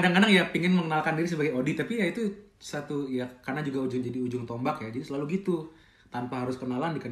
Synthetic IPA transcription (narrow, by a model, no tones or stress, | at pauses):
kadaŋkadaŋjapiŋɪnməŋənalkandiɾis̬əbaɡajodit̪apijait̪usat̪ujakarnad͡ʒuɡaud͡ʒʊŋd͡ʒadiud͡ʒʊŋt̪ɔmbakjad͡ʒadisəlaluɡit̪u | t̪anpaɦaɾʊskənalaandikən